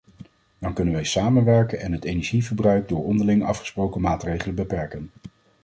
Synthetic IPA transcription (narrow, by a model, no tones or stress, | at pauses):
dɑŋkɵnənʋɛjsaːmənʋɛɹkənɛnɦətejnɛɹʒivəɹbrœɥk̚dʊːɹɔndəɹlɪŋɑ̰fχə̥sprowkəmaːtrejχələnbəpɛɹkən